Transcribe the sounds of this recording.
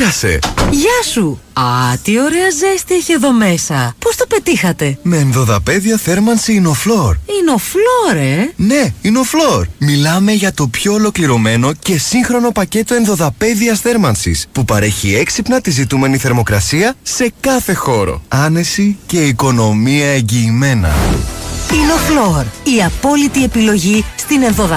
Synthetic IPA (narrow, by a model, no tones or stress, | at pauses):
ɐse̞̰ʝɐsuɐt̪io̞ɾeɐzest̪eiçeðo̞me̞sɐpost̪ope̞t̪ixɐt̪e̞me̞ːnðo̞ðɐpe̞ðiɐθe̞ɾmɐnsiinoflo̞ɾino̞flo̞ɾe̞ne̞ineo̞flo̞ɾmilɐme̞ʝɐt̪o̞pço̞ːlo̞kliɾo̞me̞no̞ce̞siŋxɾo̞no̞pɐce̞t̪o̞enðo̞ðɐpe̞ðiɐsθe̞ɾmɐnsḭspupɐɾe̞çie̞ksipnɐt̪izit̪ume̞niθe̞ɾmo̞kɾɐsiɐse̞kɐθe̞xo̞ɾo̞̰ɐne̞sice̞iko̞no̞miɐe̞ɲɟiːme̞nɐ̰ | ino̞floɾiɐpo̞lit̪ie̞pilo̞ʝist̪ine̞nðoðɐ